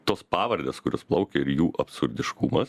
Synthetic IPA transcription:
t̪oːspɑːʋɐɾʲd̪ʲeːskʊɾʲoːsplˠɐʊkʲeɪɾjuːʔɐpsʊɾʲd̪ʲɪʃkumɐs

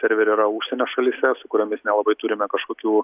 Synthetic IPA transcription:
sʲɛɾʲʋʲɛɾʲiːɾɐuʃʲsʲɛnʲoːʃɐlʲisʲɛsʊkʊɾʲomʲɪsnʲɛlˠɐbɐɪt̪ʊɾʲɪmʲɛkɐʃkoːkʲuː

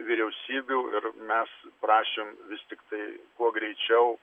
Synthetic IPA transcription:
ʋʲiɾʲɛʊsʲiːbʲuːɪɾmʲɛspɾɑːʃʲeːmʋʲɪst̪ʲɪkt̪ɐɪkuɔɡɾʲɛɪt͡ʃʲɛʊ

